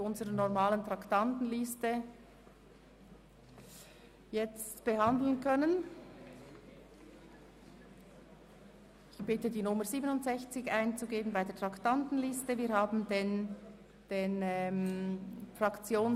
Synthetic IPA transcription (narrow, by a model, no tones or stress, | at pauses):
ʊnzəɾənɔʁmaːləntʁ̥ɑktɑntn̩lɪstə | jɛt͡stb̥əhɑndl̩nkʰœnən | ɪçb̥ɪtədiːnʊməɾziːbənʊntz̥ɛçt͡sɪçʔaɪnt͡suɡeːbənbaɪdeːɐtʰʁ̥ɑktɑntn̩lɪstəviːɾhaːbn̩den | d̥enɛm | frɑkt͡sjoːn